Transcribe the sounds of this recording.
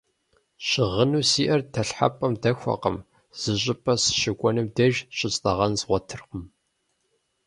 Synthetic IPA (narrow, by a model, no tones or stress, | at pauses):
ɕɪʁənuːsiːʔɐrtʰɐɬħa̰pʼɐmdɐxʷɐ̰qəm | z̥ɨɕʼɪpʼɐsɨ̥ʃɪɡʷʼɔnɨmdɐʒɕʼɪt͡sʼtʼɐʁɐnzʁʷɔtʰɨrqʊm